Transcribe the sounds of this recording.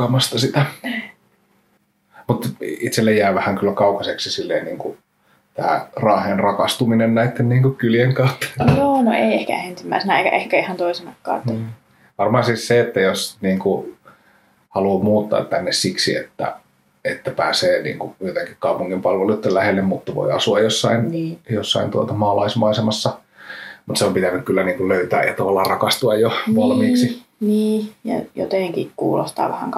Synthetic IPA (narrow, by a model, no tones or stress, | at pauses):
ɑmɑst̪ɑsit̪æ | mut̪it̪selːejjæːʋæhæŋkylːækɑukɑseksisilːeːnniːŋku | t̪æ̰ːrɑːhˑenrɑkɑst̪uminennæit̪ːenniːŋkukyljeŋkɑut̪ːe̥joːno̰ḛˑiehkæ̰ensimːæ̰ˑisenæeikæ̰ʔehkæihɑnt̪oisenɑkːɑ̰ːt̪ː | ʋɑrmɑhɑnsiːsseet̪ːæjosniːŋku | hɑluomuːt̪ːɑ̰ːt̪t̪ænːessiksḭḛt̪ːæ̰ | et̪ːæpæ̰ːseːnḭːŋkujot̪eŋkikkɑupuŋːimpɑlʋelut̪ːellæhelːemmut̪ːɑʋo̰iɑsuɑjjosːɑinjosːɑint̪uot̪ɑmɑːlɑismɑisemɑsːɑ | mut̪seompit̪ænykkylːæniːŋkulløyt̪æ̰ːjɑt̪ɑʋɑlːɑːrɑkɑst̪uɑjjoʋɑlmiːksiniːjɑ̰jo̰t̪eˑŋkikkuːlo̰st̪ɑ̰ːʋæhæ̰ŋk